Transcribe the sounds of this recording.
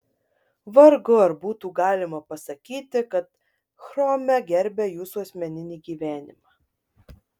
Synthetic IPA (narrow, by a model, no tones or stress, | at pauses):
ʋɐɾɡʊɐɾbuːt̪uːɡɑːlʲɪmɐpɐsɐkʲiːt̪ʲɪkɐt̪ | xɾɔːmʲɛɡʲɛɾʲbʲɛjuːsuɐsʲmʲɛnʲɪnʲiːɡʲiːʋʲæːnʲɪ̰mɑː